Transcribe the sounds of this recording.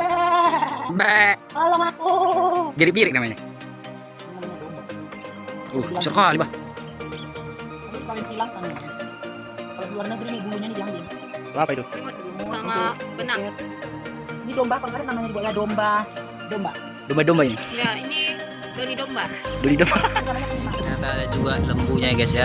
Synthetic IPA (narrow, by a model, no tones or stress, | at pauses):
bɛkalaŋakubiɾɪk̚biɾɪk̚namaɲa | amamaɲadomba | uat͡ʃɔrkoalibah | t̪apipalɪŋsilaŋk̪ana | kaloɡluarnəɡɾinibuluɲanidiaŋɡɪŋ | t̪apait̪umat̪maŋabənaŋt | inidɔmbahpaŋkaɾanamaɲaɾibaɡadɔmba | dɔmba | dɔmbadɔmbainijaini | donidombadonidɔmbankalaɲakamaapaad͡ʒuɡaləmbuɲaɡasia